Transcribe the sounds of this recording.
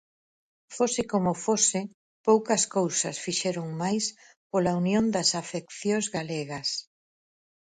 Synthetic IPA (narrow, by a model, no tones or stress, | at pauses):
fosɪkomʊfosɪ | powkɐskowsɐsfiʃɛɾoŋmajs | polaunjond̪ɐsafekθjozɣaleɣɐs